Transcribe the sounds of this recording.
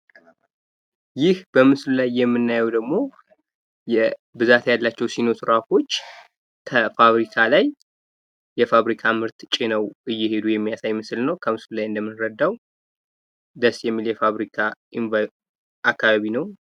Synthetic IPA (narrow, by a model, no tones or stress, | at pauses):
jɪhb̥əmɨslulajːɛmːɨnːajɛwd̪əɡmo̞ | jɛbɨzat̪jalːat͡ʃːɛwsinot̪ʰɨɾafo̞t͡ʃː | kʰəfaβɾikʰalajː | ɛfaβɾikʰamɨɾt̪t͡ʃʼɪnəwʔɨjːɛhe̞d̪ujɛmːijasajmɨsɨlnəwkʰəmɨslulajɨnd̪əmːɨnɾəd̪ːaw | d̪əsjɛmːiljɛfaβɾikʰaʔinva | ʔakʰːaβaβinəw